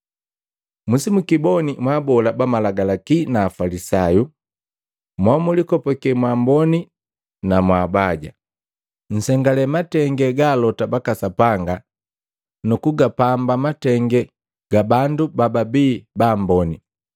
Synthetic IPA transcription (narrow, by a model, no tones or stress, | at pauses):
musimukibɔnimwabɔlabamalaɡalakinaːfalisaju | mwamulikɔpɔkɛmwambɔni | namwaːbaɟa̰ | ɲ̩sɛŋɡalɛmatɛŋɡɛɡaːlɔtabakasapaŋɡa | nukuɡapambamatɛŋɡɛ | ɡ̥abandubababiːbaːmbɔni